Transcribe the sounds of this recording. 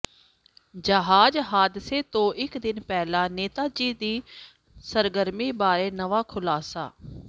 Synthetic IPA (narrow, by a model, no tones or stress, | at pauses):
d͡ʒəɦaːd͡ʒɦaːd̪seːt̪õːʔɪkd̪ɪnpɛːlãːneːt̪aːd͡ʒiːd̪iː | səɾɡəɾmiːbaːɾeːnəʋaːkʰʊlaːsa̰ː